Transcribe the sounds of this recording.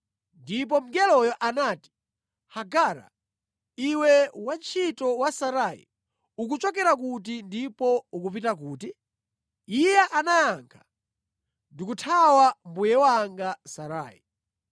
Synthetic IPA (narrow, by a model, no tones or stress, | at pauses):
ndip̬ɔm̩ɡɛlɔjɔʔanati̥ | haɡaːɾa̰ | iwɛwant͡ʃʰitɔwasaɾaːḭ | ukut͡ʃɔkɛɾak̬ut̬indipɔukupitak̬uːti | ijɛʔanajaŋkʰḁ | ndikutʰawambujɛwaŋɡasaɾa̰ːi